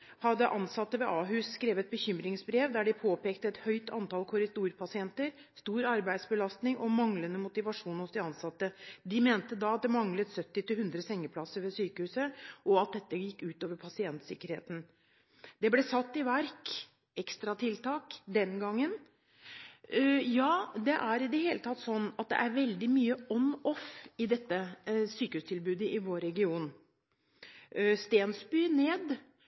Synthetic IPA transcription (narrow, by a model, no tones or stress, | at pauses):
hɑd̪əʔɑnsɑt̪ːəʋɛʔɑːɦʉsskɾeːʋət̪̚bəçʏmɾɪŋsbɾeːʋd̪æɖɪpʰoːpeːkt̪əɛt̪hœʏt̪ʰɑ̰nt̪ɑːlkʰʊɾɪsd̪uːɾpʰɑsɪɛnt̪əɾ | st̪uːɾɑɾbæɪd̪sbəlɑst̪nɪŋʔɔmɑŋlənəmʊt̪ɪʋɑʂuːnʊsd̪ɪɑnsɑt̪ːəd̪ɪmeːnt̪əd̪ɑɑt̪̚d̪ɛmɑŋlət̪sœt̪ːɪt̪ɪhʉnd̪ɾəsɛŋːəpʰlɑsəɾʋɛsyːkəhʉːsəʔɔɑt̪̚d̪ɛt̪ːəjɪkːʉːt̪oːʋəɾpʰɑsɪɛnt̪sɪkːəɾhḛːt̪n̩ | d̪̥ɛblɛsɑt̪ːɪʋæɾk | ɛkst̪ɾɑt̪ʰɪlt̪ʰɑːkd̪ɛnɡɑŋːən | jɑːd̪ɛʔæɾɪd̪ɛheːlət̪ʰɑt̪ːsɔnːɑt̪̚d̪ɛ̰ʔæɾʋɛld̪ɪmyːəɔnɔfɪd̪ɛt̪ːəsyːkəhʉːst̪ʰɪlbʉːd̪əʔɪʋoːɾɛɡɪuːn | st̪eːnsbyːneːd̪